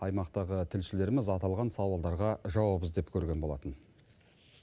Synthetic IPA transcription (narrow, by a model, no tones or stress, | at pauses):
ɑjmɑqt̪ɑʁət̪ʰɪlʃɪle̞ɾmɪzɑt̪ɑlˠʁɑnsɑwɑlˠd̪ɑɾʁɑʒɑwɑbəzd̪e̞pkʲʰɵɾɡʲe̞nbo̞lˠɑ̰t̪ən